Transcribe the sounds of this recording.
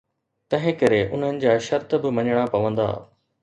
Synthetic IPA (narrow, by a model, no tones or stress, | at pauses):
t̪ɐ̃ɦɪ̃kɐɾeʔʊn̤ənɪ̆d͡ʑaːʃɐɾt̪bɪmɐɲəɽ̃apɐʋə̃nd̪a̰ː